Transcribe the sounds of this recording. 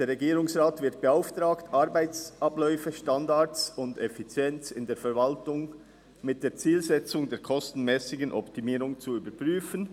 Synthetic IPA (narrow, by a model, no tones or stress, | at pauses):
d̥eːɾʁɛɡiːɾʊŋsʁaːtv̥ɪt̚b̥eaʊftʁaːktʰʔaʁɾbaɪt͡sʔablɔʏfəʃtandat͡sʊndɛfit͡sjɛnt͡sɪndeːɐfɛɾvaltʊŋ | mɪt̚d̥eːɐt͡siːlzɛt͡sʊŋdeːkʰɔstn̩mɛːsɪɡənʔɔ̰ptimiːɾʊŋt͡suyːbəpʁ̥yːfən